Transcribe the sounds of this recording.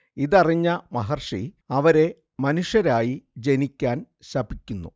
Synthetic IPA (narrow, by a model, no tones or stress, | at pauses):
iðɐriɲːɐmɐɦɐrʂḭ | ɐʋɐɾe̞ | mɐnuʂjɐɾaːjid͡ʑe̞nikʲːaːn | ɕɐbikʲːunːṵ